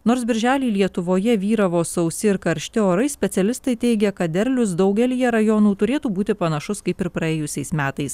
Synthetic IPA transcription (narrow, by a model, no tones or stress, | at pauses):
noːɾsbʲɪɾʲʒʲæːlʲiːlʲiɛt̪ʊʋoːjɛʋʲiːɾɐʋoːsɐʊsʲɪɪɾkɐɾʲʃʲt̪ʲɪoːɾɐɪsʲpʲɛsʲɛlʲɪst̪ɐɪt̪ʲɛɪɡʲɛkɐt̪̚d̪ʲɛɾʲlʲʊsd̪ɒʊɡʲɛlʲɪjɛɾɐjoːnuːt̪ʊɾʲeːt̪uːbuːt̪ʲɪpɐnɐʃʊskɐɪpɪɾpɾɐeːjʊsʲɛɪsmʲæːt̪ɐɪs